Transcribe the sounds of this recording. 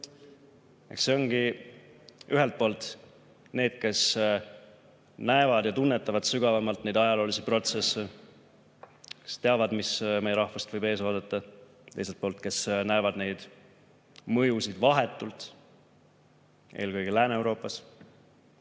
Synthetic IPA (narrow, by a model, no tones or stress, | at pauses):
e̞̰kse̞o̞ŋɡ̥i | yɦe̞lt̪̚po̞ːlt̪ˑ | ne̞ːd̪̥ke̞s | næevɑd̪̥jɑt̪unːe̞t̪ːˑɑvɑd̪̥syɡ̥ɑvɑmɑlt̪ːne̞jd̪ɑjɑlo̞ːlisipro̞t̪se̞se | ke̞̥st̪eɑvɑd̪misme̞jeɾɑhfɑst̪vɤjbe̞ːs̬oːd̪et̪ːˑɑ | t̪ejselt̪̚po̞ːlt̪̚ke̞snæevɑd̪̥ne̞jd̪̥ | mɤjusid̪̥vɑɦe̞t̪ːˑult̪ | ʔe̞̰ːlkɯjɡ̥ilæːnewɾo̞ːpːˑɑs